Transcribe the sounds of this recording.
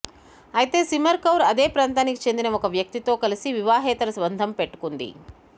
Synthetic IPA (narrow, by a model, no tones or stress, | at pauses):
ɐjit̪e̞ːsimɐɾkɐwɾɐd̪eːpɾaːnt̪aːnikit͡ʃe̞nd̪inɐɔkɐʋjɐk̚t̪it̪o̞ːkɐlisiʋiʋaːɦɛːt̪ɐɾɐsʋɐnd̪ʱɐmpeʈːu̥kund̪ḭ